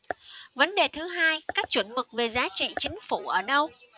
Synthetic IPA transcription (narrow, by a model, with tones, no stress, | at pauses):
və˨˦nɗe˨˩t̪ʰɨ˨˦ɦaː˧jkaː˦˥k̚t͡ɕwə˧˩ənmɨ˨˩k̚ve˨˩zaː˨˦t͡ɕḭ˧˨t͡ɕï˨˦ŋ̟fu˧˩ʔəː˧˩ɗə˧w